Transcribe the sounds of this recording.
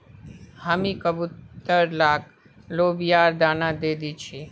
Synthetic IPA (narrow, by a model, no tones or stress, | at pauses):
həmikəbut̪ːəɾlaːk | loːbijaːɾd̪aːnad̪ed̪it͡ʃʰi